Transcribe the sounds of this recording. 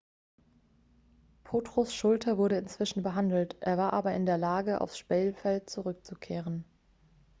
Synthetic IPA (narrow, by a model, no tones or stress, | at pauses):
pʰoːtʁ̥osʃʊltʰɐvʊɐɾəɪnt͡sv̥ɪʃn̩bəɦandl̩tʔeːɐvaːɐʔaːbɐɪ̰ndeːɐlaːɡəʔa̰ʊfsʃpɛːlfɛlt̚t͡suʁʏk̚t͡sukʰeːʁən